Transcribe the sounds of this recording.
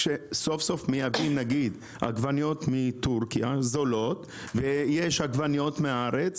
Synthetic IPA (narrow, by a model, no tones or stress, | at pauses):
ʃeso̞fso̞fmijavimnaɡid̪ | a̰ɡvanjo̞tmit̪uʁkijazolo̞t̪ | vejeʃaɡvanjo̞t̪meaaʁet͡s